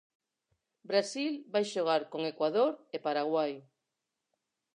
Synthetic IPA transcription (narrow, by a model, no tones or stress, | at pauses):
bɾasilbajʃoɣ̞aɾkoŋekwaðoɾepaɾaɣwaj